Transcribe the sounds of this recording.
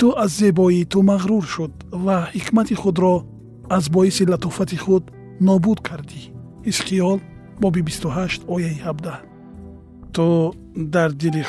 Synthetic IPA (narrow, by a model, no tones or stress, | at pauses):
t̪uazːe̞bɔit̪ʰumaʁɾuɾʃud̪vahikʰmat̪ʰiχud̪ɾɔ | azbɔisilat̪ɔfat̪ʰiχud̪ | nɔbud̪kʰaɾd̪i | hisχijɔl | bɔbibist̪uɦaʃt̪ɔjaihabd̪a | t̪ʰu | d̪aɾd̪ili